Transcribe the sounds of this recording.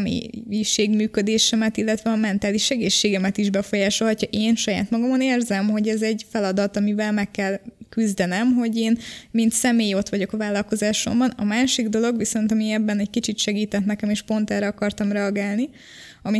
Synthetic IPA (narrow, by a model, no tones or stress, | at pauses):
mḛːiʃeːɡmyːkø̞d̪eːʃɛmɛt̪ilːɛt̪ʋɛɒmɛnt̪aːliʃɛɡeːʃːeːɡɛmɛt̪iʒbɛfo̞jaːʃo̞lɦɒcːɒʔeːnʃɒja̰ːt̪mɒɡɒmoneːrzɛmɦo̞ɟɛzɛɟfɛlɒd̪ɒt̪ɒmivɛlmɛkːɛlkyzd̪ɛnɛmɦo̞ɟeːnmint̪sɛmeːjo̞t̪ʋɒɟo̞kɒvaːlːɒlko̞zaːʃo̞̰mbɒnɒmaːʃiɡd̪o̞lo̞ɡʋiso̞nt̪ɒmiɛbːɛnɛckit͡ʃit̪ʃɛɡiːt̪ɛt̪nɛkɛmeːʃpo̞nt̪ɛrɾɛɒkɒrt̪ɒmrɛɒɡaːlni | ɒmi